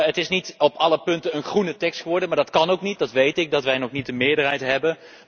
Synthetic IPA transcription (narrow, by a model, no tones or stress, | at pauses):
ətɪsnitɔpɑləpɵntənənχrunətɛkstχəʋɔɹdənmaːdɑtkɑnowknit̚dɑtʋejtɪk̚dɑtʋɛjnɔχnit̚dəmɪːɹdərɦɛjtɦɛbən